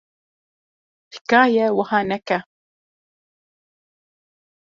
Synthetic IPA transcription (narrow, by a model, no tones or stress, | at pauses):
ti̥kaːjawahanaka